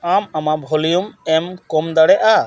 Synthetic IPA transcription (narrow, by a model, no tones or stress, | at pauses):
amamabʱɔlijumɛmkɔmd̪aɽɛʔa